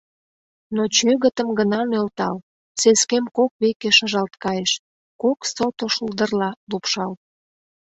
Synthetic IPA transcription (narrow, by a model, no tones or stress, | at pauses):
not͡ɕøɣət̪əmɡənɑmølt̪ɑl | seskemkokβekeʃəʒɑlt̪kɑjeʃ | koksot̪oʃuld̪ərlɑlupʃɑl